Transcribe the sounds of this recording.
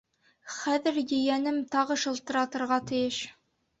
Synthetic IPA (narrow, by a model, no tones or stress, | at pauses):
χæðɘɾjɵ̆jænɘmt̪ɑʁɤʃɤ̆lˠt̪ɤ̆ɾɑt̪ɤ̆ɾʁɑt̪ɘ̆jɘʃ